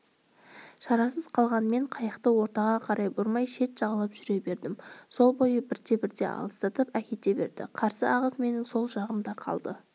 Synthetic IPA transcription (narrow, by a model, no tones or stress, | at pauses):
ʃɑɾɑsəz̥qʰɑlˠʁɑnme̞ɴqʰɑjɑqt̪əwo̞ɾt̪ɑʁɑqʰɑɾʔɑjbʊɾmɑjʃe̞t̪ʒ̥ɑʁəlˠɑpʒ̥ʏɾe̞be̞ɾd̪ɪmso̞lˠbo̞jəbɪɾt̪e̞bɪɾd̪e̞̰ɑ̰lˠəst̪ɑt̪əpækʲe̞t̪e̞be̞̰ɾd̪ɪ̰qʰɑɾsəɑʁəzme̞nɪŋso̞lˠʒɑʁəmd̪ɑqʰɑ̰lˠd̪ə